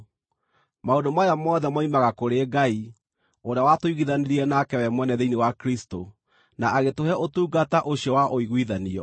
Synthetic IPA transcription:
maondomajamɔðɛmwaimaɣakoɾeɡai | oɾeawatoiɣiðaneɾiɛnakɛwɛmwɛnɛðeinewakɾisto | naʔaɣetoɦɛotuːɡataʔoɕiɔwaʔoiɣwiðaniɔ̰

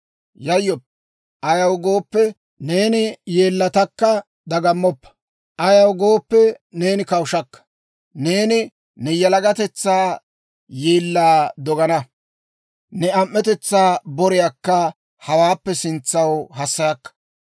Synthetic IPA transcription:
jɐjːɔpː | ʔɐjɐwɡo̞ːpːɛ | ne̞ːnɪje̞ːlːɐt̪ɐkːɐ | d̪ɐɡɐmːɔpːɐ̥ | ʔɐjɐwɡo̞ːpːɛne̞ːnɪkɐwʃɐkːɐ̥ | ne̞ːnɪ | nɛjɐlɐɡɐt̪ɛt͡sːaː | jeːlːaːd̪ɔɡɐnɐ | nɛɐmːɛt̪ɛt͡sːaːbɔɾɪjakːɐ | hɐwaːpːɛsɪnt͡sːɐwhɐsːɐjɐkːɐ̥

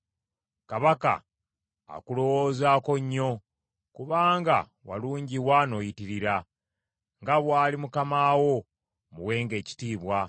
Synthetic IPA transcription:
kaβaka̰ | a̰kulo̞woːzaːko̞ɲːo̞ | kuβaːŋɡa̰ | wa̰luːɲɟiwano̞jitiɾiɾa | ŋɡaβwaːlimukamaːwo̞ | muwe̞ːŋɡe̞ːci̥tiːβwa

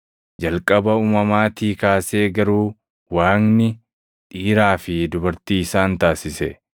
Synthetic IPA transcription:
d͡ʒɐlkʼɐbɐuːmɐmaːt̪iːkaːseːɡɐɾuː | waːnnɪ | ᶑ̪ʼiːɾaːfɪd̪ʊbɐɾt̪iːɪsaːnt̪aːsɪsɛ̰

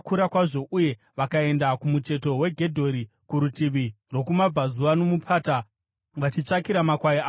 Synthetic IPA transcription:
kuɾakwaʐo̞ʔuje̞ | ʋakae̞ndakumut͡ʃe̞to̞we̞ɡʱe̞dʱo̞ɾi | kuɾutiʋi | ro̞kumab͡vazuʋano̞mupʰaːta | ʋat͡ʃit͡ʂakiɾamakwaiaː

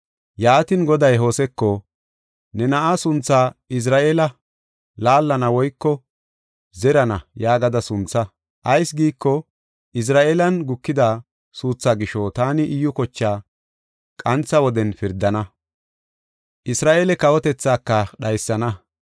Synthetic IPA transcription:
jaːt̪ɪnɡɔd̪ɐjɦo̞ːsɛkːɔ | nɛnɐʔasʊnt͡sːaːɪs̬ɾaːʔeːlɐ | laːlːɐnɐwɔjkːɔ | zɛɾɐnɐjaːɡɐd̪ɐsʊnt͡sːɐ | ʔɐjsɡiːkːɔ | ʔɪs̬ɾaːʔeːlɐnɡʊkːɪd̪aː | suːt͡sːaːɡɪʃɔt̪aːnɪʔɪjːʊkɔt͡ʃːaː | kʼɐnt͡sɐwɔd̪ɛnfɪɾd̪ːɐnɐ | ʔɪsɾaːʔeːlɛkɐwɔt̪ɛt͡sːaːkːɐɗɐjsːɐnɐ

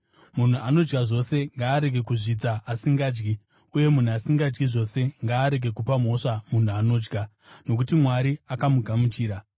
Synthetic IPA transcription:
mun̤uʔano̞d͡ʒɡaʐo̞se̞ŋɡaːɾe̞ɡʱe̞kuʐid͡zaasiŋɡaːd͡ʒɡi | uje̞mun̤uasiŋɡad͡ʒɡiʐo̞se̞ŋɡaːɾe̞ɡe̞kupam̤o̞ʂamun̤uano̞ːd͡ʒɡa | no̞k̬utimwaɾiakamuɡʱamut͡ʃiːɾa

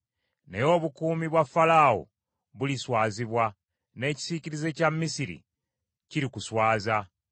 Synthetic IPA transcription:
nejo̞ːβukuːmiβwafalaːo̰ | βuliswaːziβwa | ne̞ːci̥siciɾize̞cammisiɾḭ | ciɾikuswaːza

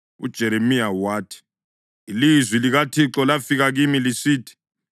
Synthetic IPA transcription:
ṵd̥ʒ̥ʱɛɾemiawaːtʰi̥ | ilizwiliɣatʰiǁɔlafiɣaɣimilisiːtʰi̥

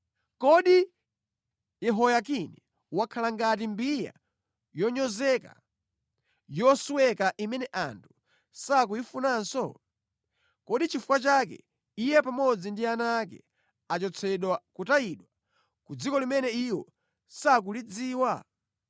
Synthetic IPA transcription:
kɔɗi | jɛɦɔjakinɛ | wakʰalaŋɡat̬imbija̰ | jɔɲɔzɛka̰ | jɔsuwɛkaʔimɛnɛʔa̰ntʰu̥ | sak̬uifunansɔ | kɔɗit͡ʃifu̥kwat͡ʃakɛ̰ | ijɛpamɔd͡zindianakɛ̰ | at͡ʃɔt͡sʰɛɗwakutajiɗwa | kud͡zikɔlimɛnɛiwɔ̰ | sak̬ulid͡ziːwa

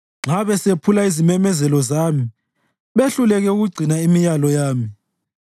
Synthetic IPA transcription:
ŋ͡ǁaβɛsepʰulaizimɛmɛzɛlɔzaːmi | ɓeɬulɛɣɛuɣuɡ͡ǀʱinaimijalɔjaːmi

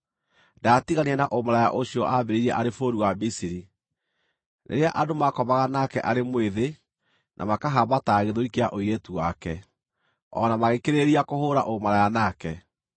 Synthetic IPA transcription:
datiɣaniɛnaʔomaɾaja̰ʔoɕiɔʔabeɾeiɾiɛʔaɾefoɾiwamisiɾi | nʔḛɾeaʔadomakɔβaɣanakɛʔaɾemweðe | nʔa̰makaɦabataɣeðoikea̰ʔojetuwakɛ | ɔ̰namaɣekeɾeɾiakohoːɾa̰ʔomaɾajanakɛ

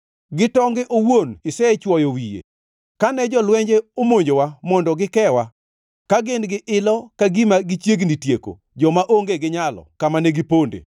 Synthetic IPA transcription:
ɡɪtɔŋɡɛʔowonɪsɛɛt͡ʃwɔjowijḛ | kanɛd͡ʒɔlwɛɲd͡ʒeomoɲd͡ʒowamɔndɔɡɪkɛwa | kaɡɪnɡɪʔɪlɔkaɡimaɡɪt͡ʃjeɡnitjeko̰ | d͡ʒɔmaʔoŋɡeɡɪɲalɔ̰kamanɛɡɪpondḛ

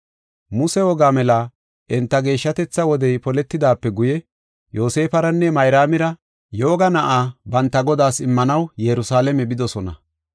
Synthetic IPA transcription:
mʊsɛwɔɡaːmɛlɐ | ʔɛnt̪ːɐɡe̞ːʃːɐt̪ɛt͡sːɐwɔd̪ɛjpɔlɛt̪ːɪd̪aːpːɛɡʊjɛ | jo̞ːse̞ːfɐɾɐnːɛmɐjɾaːmɪɾɐ | jo̞ːɡɐnɐʔaːbɐnt̪ːɐɡɔd̪aːsɪmːɐnɐwjɛɾʊsaːlɛmɛbɪd̪ɔsɔnɐ̰

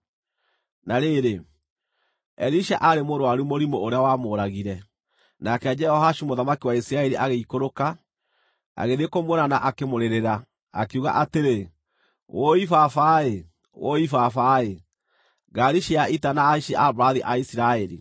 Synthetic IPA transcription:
naɾeɾe | ɛɾiʃaʔaɾemoɾoaɾumoɾimooɾeawamoɾaɣiɾɛ | nakɛad͡ʒɛhɔhaʃumoðamakiwaisiɾaɛɾiʔaɣeikoɾoka | a̰ɣeðekomweɾanaʔakemoɾeɾeɾa | a̰keuɣa̰ʔateɾe | wʔoifafae | wʔoifafae | ɣaɾiʃiaitanaːiʃiʔabɾaðiʔaisiɾaɛɾḭ

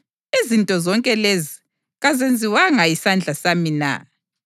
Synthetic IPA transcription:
izintʼɔzɔŋkʼɛlezi | ɣazend͡zʱiwaŋajisand͡ɮʱasamina̰

